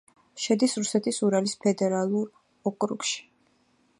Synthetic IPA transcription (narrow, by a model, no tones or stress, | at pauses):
ʃɛd̪isɾusɛt̪ʰisuɾalispʰɛd̪ɛɾalˠuɾ | ɔkʼɾṵkʃi̥